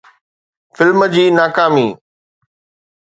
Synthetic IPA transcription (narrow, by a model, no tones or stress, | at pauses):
fɪlməd͡ʑiːnaːkaːmiː